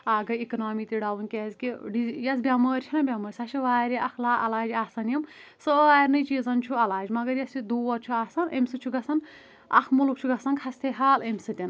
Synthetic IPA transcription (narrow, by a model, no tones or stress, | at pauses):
aːɡɐikɐnaːmit̪iɖawunkezkiɖijɐsbʲamɐɾʲt͡ʃʰinɐbʲamɐɾʲsaʃʰiʋaːɾiʔɐkʰlaːʔɐ̰laːd͡ʒaːsɐnjɐm | sɔaɾnɐjt͡ʃizɐnt͡ʃʰuɐlaːd͡ʒimɐɡɐɾjɐst͡ʃʰid̪uwɐɾt͡ʃʰuaːsɐnemsɨt͡ʃʰuɡɐsʰɐn | ɐ̰kʰmuluk̚t͡ʃʰuɡɐsɐnkʰast̪ʰeɦaːlemsɨt̪ʲɐn